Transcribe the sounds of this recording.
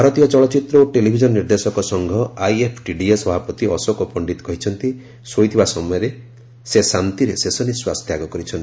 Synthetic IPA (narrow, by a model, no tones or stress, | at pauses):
bʱaɾɔt̪ijɔt͡ʃɔɭɔt͡ʃit̪ɾɔoʈelibʱid͡ʒɔnɔniɾd̪esɔkɔsɔŋɡʱɔajepʰʈiɖiesɔbʱapɾɔt̪iɔsɔkɔpɔɳɖit̪ɔ̥kɔɦit͡ʃʰɔnt̪i | sojt̪ʰibasɔmɔjɔɾe | sesant̪iɾesesɔniswast̪ʰjaɡɔkɔɾit͡ʃʰɔnt̪i